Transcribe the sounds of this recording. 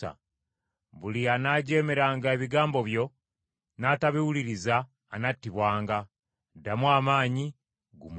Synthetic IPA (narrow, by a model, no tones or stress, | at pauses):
a̰ | βulianaːɟe̞ːme̞ɾaːŋɡae̞βiɡaːmbo̞βjo̞ | naːtaβiwuliɾizaː | natːiβwaːŋɡa | damwaːmaːɲi | ɡum